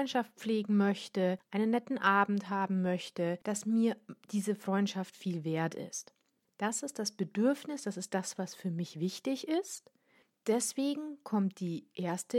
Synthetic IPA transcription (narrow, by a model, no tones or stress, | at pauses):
ɔnʃaft̚pp͡fleːɡŋ̩mœçtəʔaɪnənːɛtn̩ʔaːbm̩tɦaːbm̩mœçtəd̥asmiːɐd̥iːzəfʁ̥ɔʏntʃaftfiːlveːɐtɪ̰st | d̥asɪst̚d̥asb̥ədʏɐfnɪsd̥asɪst̚d̥asv̥asfyːɐmɪçv̥ɪçtɪçɪst | d̥ɛsv̥eːɡŋ̩kʰɔmt̚d̥iːʔeːɐstə